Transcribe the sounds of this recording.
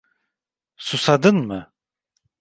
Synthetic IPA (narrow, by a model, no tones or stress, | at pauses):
susad̪ɯnmɯ